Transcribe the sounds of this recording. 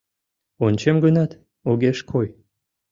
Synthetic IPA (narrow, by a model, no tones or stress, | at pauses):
onʲt͡ɕemɡənɑt̪ | oɣeʃkʰoj